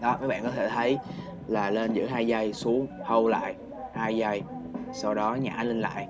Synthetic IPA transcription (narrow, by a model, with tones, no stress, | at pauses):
ɗɔ˨˦kaː˨˦˥jɓa̰ː˧˨kɔ˨˦t̪ʰe˧˩t̪ʰə˨˦j | laː˨˩le˧nzɨ̰˧˥ɦaː˧jza˧jsu˨˦əŋhə˧wla̰ː˧˨j | haː˧jza˧jsa˧wɗɔ˨˦ɲaː˨˩ʔaː˧˦nlï˧ŋ̟la̰ː˧˨j